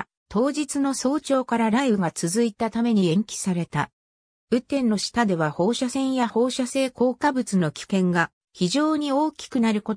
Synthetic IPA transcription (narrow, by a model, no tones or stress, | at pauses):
t̪ʰo̞ːd͡ʑit͡sɨno̞so̞ːt͡ɕo̞ːkaɾaɾaibɯ̟ɡat͡sɨzɨit̪at̪ame̞ɲ̟iẽ̞ŋkʲi̥saɾe̞t̪a | ɯ̟t̪ːẽ̞nːo̞ɕi̥t̪ad̪e̞βaho̞ːɕasẽ̞ɰ̃jaho̞ːɕase̞ːko̞ːkabɯ̟t͡sɨno̞kʲi̥kẽ̞ŋɡa | çiʑo̞ːɲ̟io̞ːkʲi̥kɯ̟naɾɯ̟ko̞